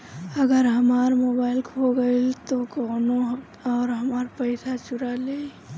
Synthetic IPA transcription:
əɡəɾɦəmaːɾmoːbaːɪlkʰoɡəilt̪okoːno | ɔːɾɦəmaːɾpəɪsat͡ʃʊɾale

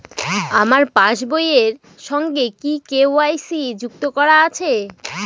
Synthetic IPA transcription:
amaɾpãʃbojeɾ | ʃɔŋɡekikeoajsid͡ʑukt̪okɔɾaat͡ɕʰe

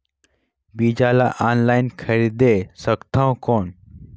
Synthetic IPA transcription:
bid͡ʑalaʔanlajnkʰəɾid̪esəkt̪ʰãwkɔn

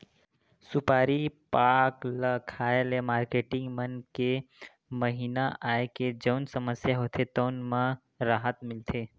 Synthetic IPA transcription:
sʊpaːɾipaːkləkʰaːelemaːɾkeːʈɪ̃ŋɡmənke | məɦinaʔaːeked͡ʒəːnsəməsjaɦoːt̪ʰet̪oːnmã | ɾaːɦət̪mɪlt̪ʰe

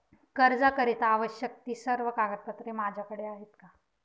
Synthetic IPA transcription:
kəɾd͡zakəɾit̪aʋəɕjək̚t̪iːsəɾʋəkaɡəɾ̚pət̪ɾemad͡ʑʱjakəɽeaɦet̪ka

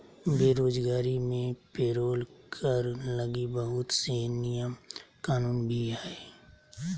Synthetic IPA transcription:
beːɾoːd͡ʒɡaːɾimẽpeːɾoːlkʰəɾləɡibəɦʊt̪senɪjəmkaːnuːnbʱiɦɛː

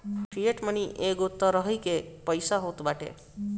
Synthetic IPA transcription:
kɾijeʈməniʔeɡut̪ːəɾəɦəjkepəjsaɦot̪baʈḛ

